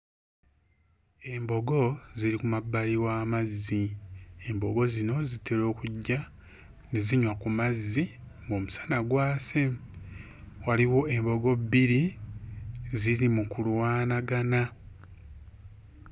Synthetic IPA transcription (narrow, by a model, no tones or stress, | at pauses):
e̞mbo̞ɡo̞ziɾikumabːaliwaːmazːie̞mbo̞ɡo̞zino̞zitʰeɾo̞ːkuɟːa | neziɲwakumazːiŋɡo̞ːmusḁnaɡwaːse | waliwo̞embo̞ɡo̞biɾi | ziɾimukuluwaːnaɡana